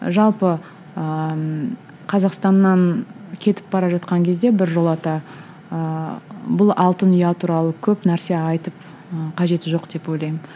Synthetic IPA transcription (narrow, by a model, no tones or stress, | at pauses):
ʒɑlˠpə | ə | qʰɑzɑqst̪ɑnːɑnkʲʰe̞t̪ɪ̥p̚bɑɾɑʒɑt̪̚qɑŋkʲʰe̞zd̪e̞bɪɾʒo̞lˠɑt̪ɑ | əbʊlˠɑlˠt̪ənijɑt̪ʰuɾɑlˠəkʲʰɵpnæɾse̞ɑjt̪əp̚ | əqʰɑʒe̞t̪ɪʒo̞qd̪̥e̞po̞jlˠɑjmɪm